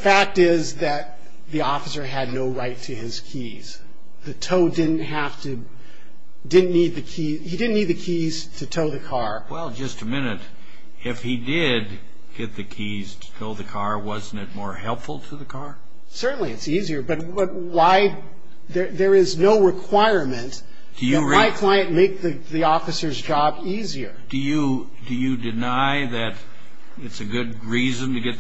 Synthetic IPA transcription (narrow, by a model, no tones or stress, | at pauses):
fæk̚tɪzðɨt̪̚ | ðiɔfəsə˞ɨdⁿnoʊɹaɪtʰɨɪz̥kʰi | z̥ | ðɨtʰoʊdɪdⁿn̩t̚ɦæftɨ | dɪdⁿn̩nːid̪̚ðɨkʰizhidɪdⁿn̩nːid̪̚ðɨkʰiz̥tʰɨtʰoʊðɨkʰɑɹ | wɛlˠd͡ʒʌstɨmɪ̃nɨɾ | ɪfhidɪd̚ | ɡ̥ɛt̪̚ðɨkʰiz̥tʰɨ̥tʰoʊðɨkʰɑɹwʌzn̩tɨt̚mɔɹhɛlˠpfl̩ˠtʰɨðɨkʰɑɹ | sɜ˞ʔn̩liɨtsiziə˞bʌt̚bʌt̚waɪ | ðə˞ðə˞ɪznoʊɹɨkʰw̥aɪɹmɨ̃nt | d̥ɨjɨaɪkʰl̥aɪɨ̃nmeɪk̚ðɨ | ðiɔfɨsə˞zd͡ʒɑbiziə˞d̥ɨjɨ | dɨjɨdɨnaɪðɨɾ | ɨtsɨɡʊd̚ɹizɨ̃ntɨɡɛt̪̚